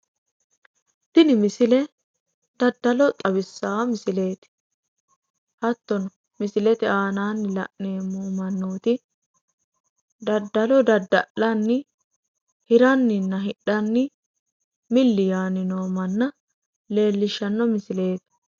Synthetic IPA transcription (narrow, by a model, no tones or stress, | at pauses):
t̪ɪnɪmɪsɪlɛ | d̪̥ɐd̪ːɐlɔt̪ʼɐbɪsːaːmɪsɪle̞ːt̪ɪ̥ | hɐt̪ːɔnɔ | mɪsɪlɛt̪ɪaːnaːnːɪlɐʔneːmuːmɐnːoːt̪ɪ | d̪ɐd̪ːɐlɔd̪ɐd̪ːɐ̰ʔlɐnːɪ | hɪɾɐnːɪnːɐɦɪɗɐnːɪ | mɪlːɪjaːnɪnoːmɐnːɐ | le̞ːlːɪʃːɐnːɔmɪsɪle̞ːt̪ɐ̥